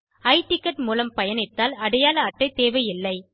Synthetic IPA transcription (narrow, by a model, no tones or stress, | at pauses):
ɐɪʈɪkːɐʈmuːlɐmpɐjɐnɪt̪ːaːlɐɽɐjaːlɐːʈːɐɪt̪eːʋɐjɪlːɐɪ